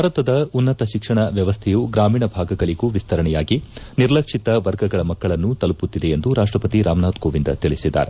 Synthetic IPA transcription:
bʱaːɾɐt̪ɐd̪ɐunːɐt̪ɐʃikʂɐɳɐʋjɐʋɐst̪ʰɛjuɡɾaːmiːɳɐbʱaːɡɐɡɐɭiɡuʋist̪ʰɐɾɐɳɛjaːɡiniɾlɐkʂit̪ɐʋɐɾɡɐɡɐɭɐmɐkːɐɭɐnːut̪ɐluput̪ːid̪e̞end̪uɾaːʂʈɾɐpɐt̪iɾaːmnaːt̪koːʋind̪ɐ̰t̪iɭisid̪ːa̰ːɾe

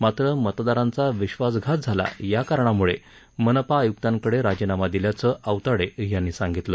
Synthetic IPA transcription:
mat̪ɾəmət̪d̪aɾãnt͡saʋiɕʋasɡʱat̪̚d͡zʱala̰jakaɾɳamuɭe | mənəpaːjuk̚t̪ãŋkəɽeɾad͡ʑinamad̪iljat͡səʔəʋt̪aɽejanːiːsãŋɡit̪lə

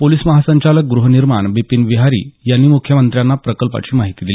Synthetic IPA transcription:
poliːsməɦasəɲt͡ɕalək̚ɡɾuɦəniɾmaɳbipinʋiɦaɾḭːjanːiːmukʰjəmənt̪ɾjanːapɾəkəlpa̰t͡ɕiːmaɦit̪iːd̪ili

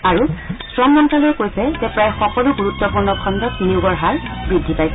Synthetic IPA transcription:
aɹusɹɔmːɔntalɔjkojsɛzɛpɹajxɔkɔluɡuɹutːɔpuɹnɔkʰɔndɔtniʊɡɔɹɦaɹbɹidʱːipajsɛ

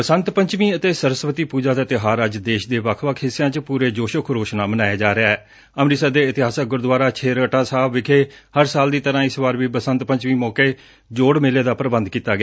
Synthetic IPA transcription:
pəsənt̪pəɲt͡ʃmiːət̪eːsəɾəsʋət̪iːpuːd͡ʒaːd̪aːt̪eɦaːɾəd͡ʒd̪eːʃd̪eːʋakʰʋaːkʰɪsɪjãːt͡ʃpuːɾeːd͡ʒoːʃəkʰɾoːʃnaːmənaːjaːd͡ʒaːɾeaɛː | əmɾiːsad̪eːɪt̪ɪɦaːsəɡʊɾd̪ʋaːɾaːt͡ʃʰeːɾəʈãːsaːʋɪkʰeːhəɾsaːld̪iːt̪əɾãːɪsbaːɾʋiːpəsənt̪pəɲt͡ʃmĩːmɔːkeː | d͡ʒoːɽmeːleːd̪aːpɾəbənd̪kiːt̪aːɡɪː

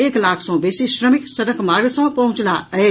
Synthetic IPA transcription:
eklakʰsɔ̃besiʃɾəmiksəɾəkmaɾesɔ̃pəɦũt͡ʃlaəe

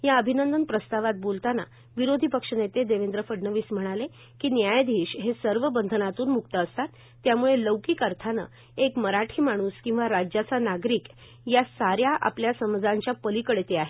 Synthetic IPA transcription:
jaəbʱinənd̪ənpɾəst̪aʋat̪̚bolt̪ana̰ | ʋiɾod̪ʱipəkʂənet̪ed̪eʋend̪ɾəfəɖɳəʋiːsm̤əɽ̃ale | kiːnjajd̪ʱiːɕɦesəɾʋəbənd̪ʱnat̪uːnmukt̪əːst̪at̪ːjamuɭeləʋkiːkəɾt̪ʰanə̰ | ekməɾaʈʰiːmaɽ̃uːskĩw̃ʋaɾad͡ʑat͡sanaɡɾiːk | jasaɾjaʔa̰pljasəməd͡zaɲt͡ɕjapəlikəɽt̪eaɦe

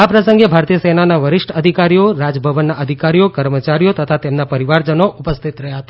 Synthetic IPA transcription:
apɾəsə̃ŋɡebʱaɾt̪ijəsenanaʋəɾɪʃʈəd̪ʱikaɾijoɾad͡ʒəbʱəʋənːaʔəd̪ʱikaɾijokəɾmət͡ʃaɾijot̪ət̪ʰat̪emnapəɾiʋaɾd͡ʒənoʔupəst̪ʰit̪ɾəɦjaɦət̪a

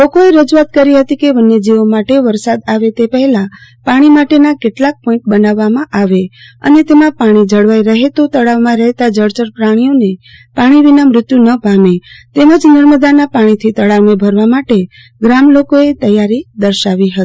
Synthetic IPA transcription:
lokoeɾəd͡ʒuat̪̚kəɾiɦət̪ikebənːed͡ʒiʋomaʈeʋəɾsad̪aʋet̪epəɦɛlãpaɽ̃imaʈenakeʈlak̚pɔ̃ɪ̃ɳʈ̚bənaʋːamãʔaʋe | ə̰net̪emãpaɽ̃id͡ʒəɽʋajɾəɦet̪ot̪əɭaʋmãɾəɦt̪ad͡ʒəɽt͡ʃəɾpɾaɽ̃ijone | paɽ̃iʋinamɾʊt̪junəpamet̪eməd͡ʒnəɾməd̪anapaɽ̃it̪ʰit̪əɽaʋmẽbʱəɾʋamaʈe | ɡɾamlokoet̪əjaɾid̪əɾʃaʋiɦət̪i

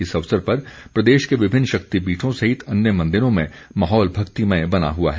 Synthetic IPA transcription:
ɪsɐʋsəɾpɐɾpɾɐd̪eːʃkeʋɪbʱɪnːʃɐk̚t̪ibiːʈʰõsɐɦɪt̪ɐnjəmɐ̃nd̪ɪɾõmẽ | mɐɦɔːlbʱɐkt̪imɐ̃jbɐna̰ɦua̰ɦɛ

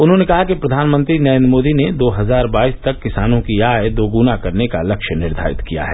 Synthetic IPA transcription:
ʊnɦõnekɐɦakipɾɐd̪ʱaːnmə̃nt̪ɾinɐɾẽnd̪ɾəmoːd̪ined̪oːɦɐzaːɾbaːiːst̪ɐkːɪsaːnõkijaːed̪oːɡunakɐɾnekalɐkʃənɪɾd̪ʱa̰ːɪ̰t̪kija̰ɦɛ̰ː

